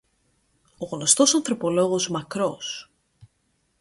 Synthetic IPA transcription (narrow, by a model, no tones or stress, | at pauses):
oɣno̞st̪o̞sɐnθɾo̞polo̞ɣo̞zmɐkɾos